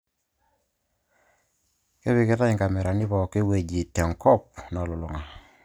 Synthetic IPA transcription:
ke˦βi˨ke˦ta˦i˨ŋka˨me˨ɾa˨ni˦βɔ˨ke˦we˨ɟi˨te˨ŋkɔ˦p̚na˨lu˨lu˨ŋa˨

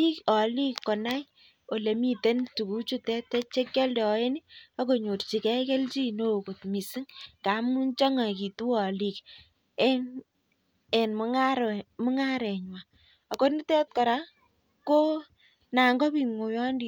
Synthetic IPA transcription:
i˦kɔ˨li˦kːɔ˨na˦j | o˨le˨mi˦te˦ntu˨ku˦t͡ʃu˦tɛ˦tːɛ˦t͡ʃe˦kjɔ˦ldɛ˨ɔ˨e˦ni˦a˦ko˨ɲo˨rt͡ʃi˨kɛ˦ke˦lt͡ʃi˦no˦˨ko˨tmi˨si˦ŋka˨˦mu˦nt͡ʃɔ˦ŋa˨ki˨tu˦ɔ˨li˨k | ɛ˦n | ɛ˨nm˦ŋa˦ɾmʊ˦ŋa˦ɾɛ˨ɲwa˨ | a˨ko˦ni˦tɛ˦t̚kɔ˨ɾa˦ | ko˦ | na˨ŋɡɔ˦pi˨ŋo˨jɔ˦ndi˨

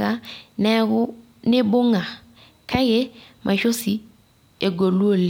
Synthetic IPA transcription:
ɣa˦nɛ˦ɣʊ˦ | nɪ˦bo˦ŋa˨ | kʰa˦ɣe˦mʔa˨ʃo˦si˦ | e˨ɡo˨lu˦o˦˨l

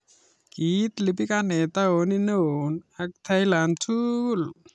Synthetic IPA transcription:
kit̪li˨p̬i˦kanɛ˨t̪a˦o˨ni˦no˦o˨na˧k̚t̪ʰa˦jla˨ntʰu˦l

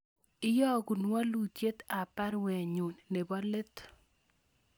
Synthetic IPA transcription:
ɪ˦jɔ˦˨ɡu˨nwa˦lu˨tje˦t̪a˨pa˦ɾwɛ˨ɲo˨nːe˨bɔ˦le˦t̪

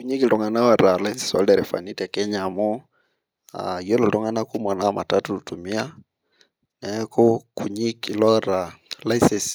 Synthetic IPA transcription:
ku˨ɲi˦kɪ˨tɔ˨ŋa˨na˦wa˨ɾa˨la˦i˦sɪ̥˨sɔ̰˦ldɛ˨ɾɛ˨fa̰˨ni˦tɛ˨kɛ˦ɲa˨mɔ˦ | a̰˨jo˦lo˨tɔ˦ŋa˦na˦ku˦m˨a˨na˦ma̰˨ta˦tʊ˨tu˨mi˦a˦ | nɛ˨˦ko˦ku˨ɲi˦kɪ˨lɔ˦ɾa˨la˦i˦sɛ˨s

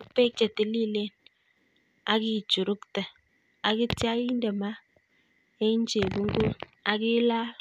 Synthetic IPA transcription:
pe˦k̚t͡ʃe˨ti˨li˦˨le˦n | a˨ɡi˦˨d͡ʒu˨ɾu˦ktə˨ | a˨ɡi˦tja˦i˦n˦də˨ma˦ | e˦n˦d͡ʒe˨bu˦ŋ˦ɡu˦n | a˨ɡi˦la˦

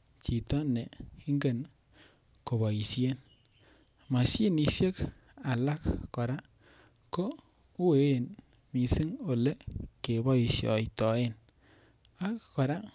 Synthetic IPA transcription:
t͡ʃi˨tɔ˦ne˨i˦ŋɡe˦˨n | ko˨βɔ˨ji˨sje˦n | ma˨si˦ni˧sje˦k | a˨la˦kːkɔ˨ɾa˦ | ko˦ | u˦we˨˦e˨n | mi˨si˦ŋo˨le˦ke˨bɔ˦i˨sjɔ̰˨jtɔ˨e˦n | a˦kkɔ˨ɾa˦

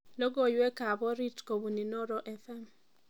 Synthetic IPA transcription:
lo˦ɡo˦˨jwe˦ka˨bɔ˦ɾi˦tko˨bu˨ni˨nɔ˦ɾɔ˦ʔɛ˦fɛ˦m

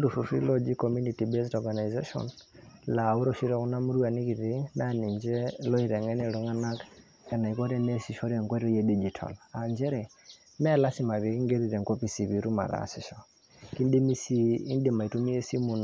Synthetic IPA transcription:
du˨fu˨fḭ˦lɔ˦d͡ʒikɔ˨mu˦ni˨ti˨bɛ˦stɔɡa˨na˨jzɛ˦ʃɔ̰˨nla˨u˦ɾɔ˨ʃi˦ɾɛ˨ku˦na˦mu˦ɾu˦a˨ni˦ki˨ɾi˦na˦ni˨ɲd͡ʒɛ˦lɔ˦i˨ɾɛ˨ŋɛ˦nɛ˦lu˦ŋa˦na˦k | kɛ˨na˨i˨kɔ˦ɾɛ˦ne˦si˨ʃɔ˦ɾe˨ŋkwe˦ɾɔ˦jɛ˦di˦d͡ʒi˨tʰa̰˨la˨nd͡ʒɛ˦ɾɛ˨ | mɛ˦la˦si˦ma˨βi˨ki˦ŋɡe˦ɾi˨ɾɛ˨ŋkɔ˦pi˨si˨βi˨ɾu˦ma̰˨ɾa̰si˨ʃɔ˨ | ki˦ndi˦mi˦si˦i˦ndi˨ma˨i˨tu˦mi˦e˦si˦mu˨n

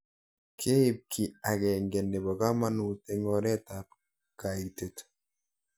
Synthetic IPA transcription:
kʰe˦i˨p̚kʰi˨a˨kɛ˨ŋɡɛ˨ne˨bɔ˨ka˦ma˦nu˨te˨ŋɔ˨ɾɛ˦ta˨p̚ | ka˨i˨k̚te˨t

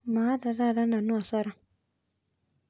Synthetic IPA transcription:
ma˨˦da˨ɾa˦˨ɾa˦na˨nu˦a˨sɔ˦ɾa˦

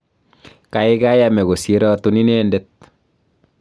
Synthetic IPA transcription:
ka˨ɪ˦ka˦ja˦mɛ˨ɡo˨sje˦ɾɔ˦tu˦ni˦nende˦t̪̚

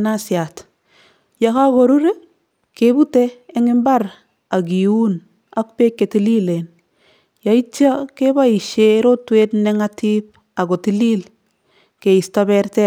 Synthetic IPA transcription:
nasja˨t | ja˨ka˦ɡo˨ɾu˦ɾe˦ | kebu˦teː˦ŋɪ˦mba˦ɾ | a˨ɡiu˦n | a˦k̚pe˦kːe˨ti˦li˦le˨n | ja˨i˦t͡ʃa˦ke˦ba˦i˨ʃeɾo˦twetnɛ˦ŋatip̚ | a˨ɡo˨ti˦li˦l | ke˨i˨stabɛɾtɛ

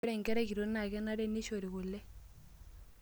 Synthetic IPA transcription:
ɾɛ˦˨ŋɡɛ˦ɾɛ˦ki˨ɾo˦na˨ɣɛ˦na˦ɾɛ˦ni˦ʃo˨ɾi˨ɣu˨lɛ˦

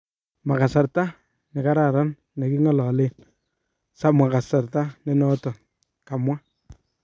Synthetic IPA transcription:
ma˨ka˨sa˨ɾta˦ | nɪ˨ka˦ɾa˨ɾa˦n | ne˨ki˦ŋɔ˨lɔ˨le˦n | sa˦ma˨ka˨sa˨ɾta˦ne˦nɔ˦tɔ˨ | ka˨mwa˦

